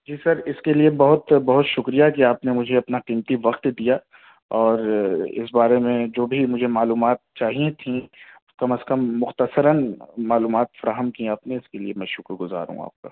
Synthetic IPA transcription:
d͡ʒiːsɐɾɪskeliebɐɦʊt̪bɐɦʊt̪ʃʊkɾijakiaːpnemʊd͡ʒʱeɐpnaqiːmt̪iʋɐqt̪d̪ija | ɔːɾɪ̰sbaːɾemẽd͡ʒoːbʱimʊd͡ʒʱemaːluːmaːt̪̚t͡ʃaːɦijẽt̪ʰĩ | kɐməskɐmːʊxt̪əsəɾənmaːluːmaːt̪fɐɾaːɦəmkĩaːpnẽɪskelḭemɛ̃ːʃʊkɾɡʊza̰ːɾṵ̃a̰ːp̚ka̰ː

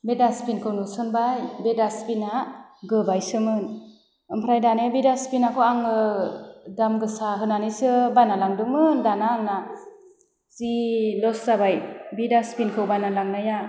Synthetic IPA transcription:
bedaspinkʰɯwnusɯnbajbedaspinaɡɯbajsɯmɯn | ɯmpʰɾajdanebidaspinakʰɯwaŋɯ | damɡɯsaɦɯnanisɯbanalaŋdɯmɯndanaːŋna | silɔszabajbidaspinkʰɯwbanalaŋnaja

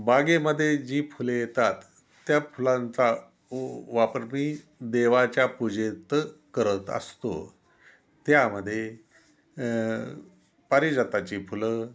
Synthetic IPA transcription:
baɡeməd̪ʱːjed͡ʑiːfulejet̪at̪ː | japulãnt͡sa | ʋapəɾmiː | d̪eʋat͡ɕjapud͡ʑet̪kəɾət̪ə̰st̪o̰ | t̪jaməd̪ʱːje | paɾid͡zat̪at͡ɕifulə

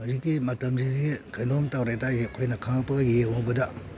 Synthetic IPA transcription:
hazikːimɐtɐmsidikʰɐjnomtawɾajdaɐkʰojnɐkʰaŋpɐɡjewbɐdɐ

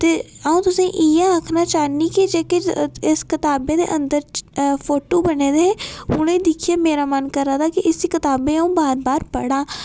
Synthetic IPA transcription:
t̪eaũt̪ʊsẽʔijãəkʰnat͡ʃaːnikid͡ʒeːkeɪskɪt̪aːbed̪ḛʔə̃nd̪əɾpʰoːʈoːbəned̪eʊnẽd̪ɪkʰijameːɾamənkəɾːat̪ʰakiʔɪsikɪt̪aːbẽaũbaːɾbaːɾpɐɽaː

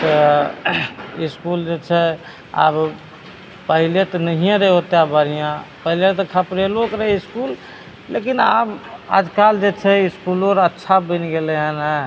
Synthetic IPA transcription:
t̪ɔ | iskuld͡ʒet͡ʃʰɛ | a̰b | pəɦilet̪ɔnəɦijãɾeɦot̪eabəɾijãpəɦilet̪ɔkʰəpɾelokɾəɦiskul | lekinaba̰d͡ʒkald͡ʒet͡ʃʰɛiskuloɾətːʃʰabənɡeleɦənɦɛ

